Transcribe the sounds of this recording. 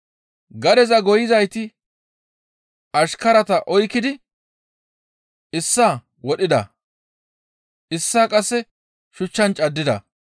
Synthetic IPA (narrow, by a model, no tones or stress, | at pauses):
ɡɐd̪ɛzɐɡɔjɪzɐjt̪ɪ | ɐʃkɐɾɐt̪ɐʔɔjkːɪd̪ɪ | ɪsːaː | wɔɗɪd̪ɐ̰ | ʔɪsːaːkʼɐsːɛ | ʃʊt͡ʃːɐnt͡ʃʼɐd̪ːɪd̪ɐ̰